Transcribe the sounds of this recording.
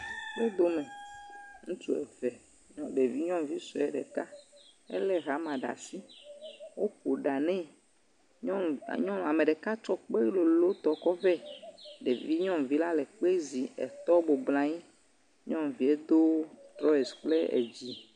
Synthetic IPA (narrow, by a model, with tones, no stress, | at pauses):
wo˦d̪o˦mẽ˨ŋũ˦t͡ʃu˦ɛ̰˨fɛ˨ | ɲɔ̃˦ɖe˨vi˦ɲɔ̃˦mvi˦sɔ˨ɛ˨ɖe˨ka˦ɛ̰˦lɛ˦ɣa˨˦mã˨ɖa̰˨si˦wo˦ko˨ɖa˨nɛ̃˦ | ɲ̰˦˨ɲɔ̃˦la˨me˨ɖɛ˨ka˦t͡ʃɔ˦k͡pe˦lo˨lo˦t̪ɔ˨kɔ˦vɛ˦ɖe˨vi˦ɲɔ̃˦mvi˦la˦lɛ˨k͡pe˦zi˨ɛ̰˨t̪ɔ˦bo˨ɡ͡blã˨ɲi˦ | ɲɔ̃˦mvi˨e˦d̪o˦t̪ɾɔ˦ɛ˨sk͡ple˦ḛ˨d͡ʑi˦